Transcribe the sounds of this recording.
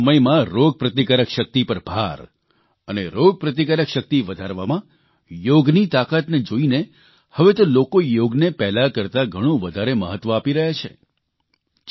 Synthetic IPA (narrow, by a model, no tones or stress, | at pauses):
əməjmãɾoɡ̚pɾət̪ikaɾəkʃək̚t̪ipəɾbʱa̰ɾ | əneɾoɡ̚pɾət̪̬ikaɾəkʃək̚t̪iʋəd̪ʱaɾʋamã | joɡnit̪akat̪ned͡ʒoine | həʋet̪olokojoɡnepɛɦlakəɾt̪aɡʱəɽ̃ũʋəd̪ʱaɾeməɦət̪ːʋəapiɾəɦet͡ʃʰḛ